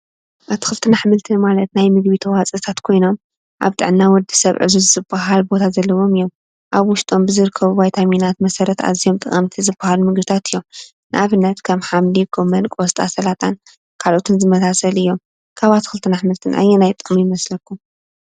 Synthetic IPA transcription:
ʔat̪ʰi̥xɨlt̪ʰɨnaħmɨlt̪ʰɨnmalɐt̪najmɨɡβit̪ʰɐwat͡sʼɨt̪ʰat̪kʰo̞jno̞m | ʔa̰βt̪ʼɨ̰ʕnːawɔd̪i̥sɐβʕɨ̰zuzɨzɨbːaɦalbo̞t̪ʰazɐlːɐwo̞mɨjːo̞m | ʔaβwʊʃt̪ʼo̞mbɨzɨɾɨkʰːɐβubajt̪ʰaminat̪mɐsɐɾɐt̪a̰zijo̞mt̪ʼɨ̰χʼɐmt̪ʰizɨbahalumɨɡbɨt̪ʰat̪ʰɨjːo̞m | nɨʔaβɨnːɐt̪kʰɐmħamlikʰomɐnkʼɔst̪ʼa̰sɐlat̪ʰʼan | kʰalʔo̞t̪ʰɨnzɨmɐsasɐlɨjːo̞m | kʰaβat̪ʰi̥xɨlt̪ʰɨnaħmɨlt̪ʰɨnʔa̰jɛnajt̪ʼɨxʼmijɪmɐslɐkːum

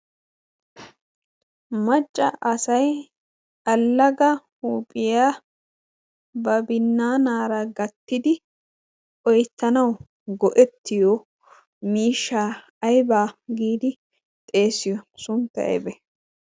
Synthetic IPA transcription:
mɐt͡ʃʼːɐʔɐsɐj | ɐlːɐɡɐhuːpʼɪjaː | bɐbɪnːaːnaːɾɐɡɐt̪ːɪd̪ɪ | ʔɔjt̪ːɐnɐw | ɡɔʔɛt̪ːɪjɔ | miːʃːa | ɐjbaːɡiːd̪ɪ | t̪ʼe̞ːsɪjɔsʊnt̪ːɐ̰ɛ̰bɛ

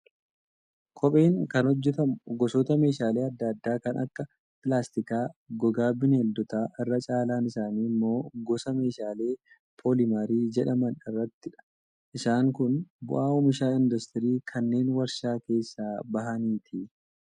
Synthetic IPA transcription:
kʰʼɔpʼeːŋkɐnhɔd͡ʒːɛt̪ɐmʊɡɔsɔt̪ɐme̞ːʃaːle̞ːɐd̪ːad̪ːaːkɐnʔɐ̰kːɐ | pɪlaːst̪ɪkaːɡɔɡaːbɪnɛld̪ɔt̪aːʔɪrːɐt͡ʃʼaːlaːnɪsaːniːmːo̞ːɡɔsɐme̞ːʃaːle̞ː | pʰolɪmaɾiːd͡ʒɛᶑɐmɐnɪrːɐt̪ːɪᶑɐ̥ | ʔɪsaːŋkʊnbʊ̰ʔaːʊmɪʃaːɪnd̪ɐst̪ɪɾiːkʰɐnːe̞ːnwɐɾʃaːke̞ːsːaːbɐɦɐniːt̪ʰɪ

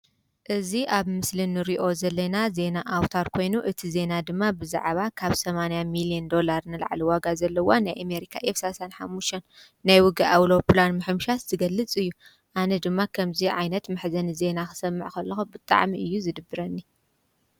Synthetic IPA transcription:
ʔɨziʔaβmɨslɨnːɨɾiʔo̞zɐlːɐnaze̞naʔawt̪ʰaɾkʰo̞jnuʔɨt̪ʰize̞nad̪ɨmːabɨza̰ʕβakʰaβsɐmanajamilijɐnd̪o̞laɾnɨla̰ʕliwaɡazɐlːɐwanajʔame̞ɾikʰa̰ʔefsasanħamːuʃt̪ʰɐnː | ajwʊɡɐʔawɾoplanmɨħɨmʃat̪z̥ɨɡɐlːɨt͡sʼɨjːu | ʔanɐd̪ɨmːakʰɐmziʕa̰jnɐt̪mɨħzɐnize̞naxɨ̥sɐmːɨʕkʰɐlːɐxubɨt̪ʼa̰ʕmiʔɨjːuzɨd̪ɨbɨɾɐnːi

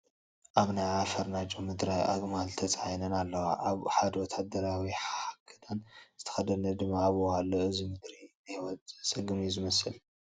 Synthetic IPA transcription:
ʔaβnajʕafɐɾnat͡ʃʼomɨd̪ɾajʔa̰ɡmalt̪ʰɐt͡sʼajnɐnalːɐwaʔaβħad̪ɐwɔt̪ʰad̪ɐɾawiħaakʰːɨ̥t̪ʰanz̥ɨt̪ʰɐ̥xɐd̪ɐnɐd̪ɨmːaːβoalːoɨzimɨd̪ɾinajwɔt͡sʼsʼɐɡɨmjuzɨmɐsɨl

